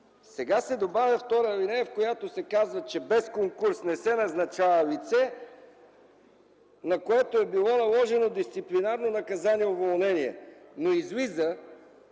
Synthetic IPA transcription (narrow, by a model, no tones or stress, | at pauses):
sɛɡasɛd̪obavʲjɐft̪ɔɾəlinɛjəfkojat̪osɛkazvət͡ʃɛbɛskoŋkuɾsnɛsɛnɐznɐt͡ʃavəlit̪sɛ | nɐkoɛt̪oɛbilˠɔnɐlˠɔʒɛnod̪ist̪siplinaɾnonɐkɐzaniɛovolˠnɛniɛ̰noizlizə